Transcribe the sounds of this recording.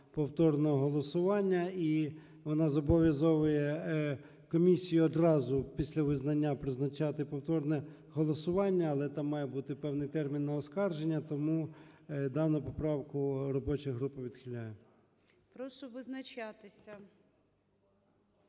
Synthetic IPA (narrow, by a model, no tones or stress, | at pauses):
pɔwt̪ɔrnɔɦɔɦɔlˠɔsʊʋɑnʲːɐi | ʋɔnɑzɔbɔʋʲjɐzɔʋʊjɛ | kɔmʲisʲijʊɔd̪rɑzʊpʲisʲlʲɐʋɪznɐnʲːapɾɪznɐt͡ʃɑt̪ɪpɔwt̪ɔrnɛ | ɦɔlˠɔsʊʋɑnʲːɐːlˠɛt̪ɑmːɑjɛbut̪ɪpɛwnɪjt̪ɛrmʲinːɐɔskɑrʒenʲːɐt̪ɔmu | d̪ɑnʊpɔpɾɑwkʊrɔbɔt͡ʃɪjɦɾupɪʋʲid̪̥xʲɪlʲajɛ | pɾɔʃɔʋɪznɐt͡ʃɑt̪ɪsʲɐ